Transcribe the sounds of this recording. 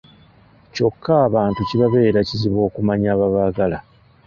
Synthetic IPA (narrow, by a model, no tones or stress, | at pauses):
co̞kːaːβaːntuciβaβe̞ːɾaciziβo̞ːkumaɲaːβaβaɡala